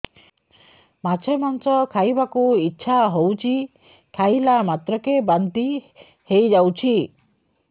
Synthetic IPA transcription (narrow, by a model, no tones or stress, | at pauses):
mat͡ʃʰemansɔkʰajbakuitːʃʰaɦowt͡ʃʰi | kʰajlamat̪ɾɔkebant̪i | hejd͡ʒawt͡ʃʰi